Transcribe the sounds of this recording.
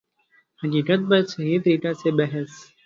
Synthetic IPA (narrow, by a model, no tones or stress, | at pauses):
həkiːkət̪̚bət̪səɦiːt̪əɾiːkaseːbəɦəs